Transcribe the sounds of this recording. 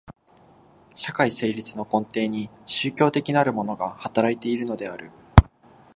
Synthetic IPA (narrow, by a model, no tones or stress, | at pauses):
ɕakaise̞ːɾʲit͡sɨno̞kõ̞nt̪e̞ːɲ̟iɕɨːkʲo̞ːt̪e̞kʲinaɾɯ̟mo̞no̞ɡahat̪aɾait̪e̞iɾɯ̟no̞d̪e̞aɾɯ̟